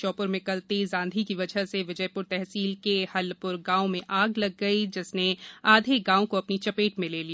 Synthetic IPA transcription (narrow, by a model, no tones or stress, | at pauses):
t͡ʃɔːpʊɾmeɪ̃kɐlt̪eːzãːnd̪ʱikiʋɐd͡ʒəɦseʋɪd͡ʒəjpʊɾt̪ɛɦsiːlkehɐlpʊɾɡãːõmẽʔaːɡlɐɡːɐid͡ʒɪsneaːd̪ʱeɡãːõkoɐpnit͡ʃɐpeːʈmẽleːliaː